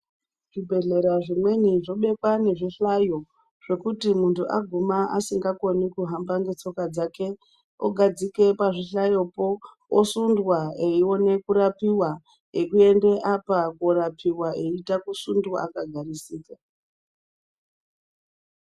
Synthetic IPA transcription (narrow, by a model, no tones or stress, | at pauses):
ʐibʱe̞ɮe̞ɾaʐimwe̞niʐo̞ɓe̞kwane̞ʐiɬajo̞ | ʐ̥e̞kutimuntʰuʔa̰ɡʱumaʔa̰siŋɡako̞nikuɦambaŋɡe̞t͡so̞kad͡zake̞ | o̰ɡʱad͡zike̞paʐiɬajo̞po̞ | osundwaeio̞ne̞kuɾapiwa | ekue̞nde̞ʔapakoɾapiwaʔe̞itakusundua̰kaɡʱaɾisiːka